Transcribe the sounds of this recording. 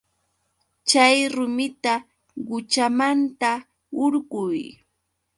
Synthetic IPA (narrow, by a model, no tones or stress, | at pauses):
t͡ʃajɾʊmɪt̪a | ɢʊt͡ʃamant̪a | ʊɾɢʊj